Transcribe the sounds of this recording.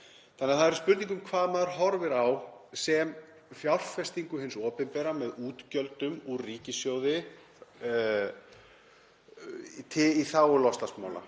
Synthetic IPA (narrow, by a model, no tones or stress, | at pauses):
θʰanɛaðθaðɛɾspʏɾt̪niŋkʏmkʰvaːðmaðɾ̥ɦɔɾvɪɾawsɛm | fjawr̥fɛst̪iŋkʏɦɪnsɔːpɪnpɛːɾamɛðuːt̪cœlt̪ʏmuriːcɪsjoːwðɪ | t̪ʰɪiθawʏlɔst̪lasmaːwla̰